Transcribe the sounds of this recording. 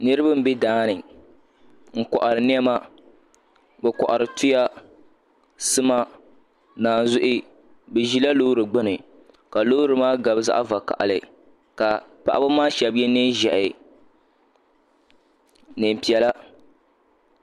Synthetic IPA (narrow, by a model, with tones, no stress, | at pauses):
nɨ˦ɾɨ˦ba˦m̩˦bɛ˦daː˦nɨ˨ | ŋ̩˨kɔ˨ʔa˨ɾɨ˨n˦ɛ˦ma˦ | bɛ˨kɔ̰˨ʔa˨ɾɨ˨tu˦ja˦ | sɨ˦ma˦ | naː˨n˨zʊ˦ʔɪ˦ | bɛ˨ʒi˦la˦loː˦ɾɨ˨ɡ͡bɨ˦nɨ˨ | ka˨loː˦ɾɨ˨maː˦ɡa˨bɨ˦za̰˦ʔa˦va˨ka̰˨ʔa̰˨lɨ̰˨ | ka˨pa˨ʔa̰˨˦ba˦maː˦ʃɛ˨bjɛ˦nɛ˦ʒɛ˨ʔɪ˨ | nɨ˨m˨pi˨ɛ˨la˦